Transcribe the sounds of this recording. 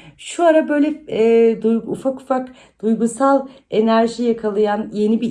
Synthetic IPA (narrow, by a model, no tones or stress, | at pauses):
ʃuaɾabø̞jlʲɛd̪ujufaku̥fak | d̪̥ujɡusalˠ | e̞næɾʒijakʰalˠɯjanje̞nibi